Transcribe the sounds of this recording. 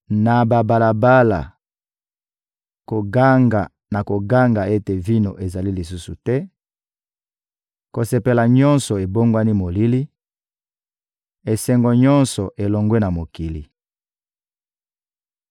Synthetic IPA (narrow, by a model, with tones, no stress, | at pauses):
na˨ba˨ba˨la˨ba˦la̰˨ | ko˨ɡa˦ŋɡa˨ | na˨ko˨ɡa˦ŋɡa˨e˦te˨vi˦no˨ʔe˨za˨li˦li˨s̬u˦su˨tɛ˦ | ko˨se˨pe˨la˨ɲɔ˦nsɔ˨e˨bo˦ŋɡwa˦ni˦mo˨li˦li˦ | e˨sɛ˦ŋɡɔ˨ɲɔ˦nsɔ˨ʔe˨lo˨ŋɡwe˦na˨mo˨ki˨lḭ˨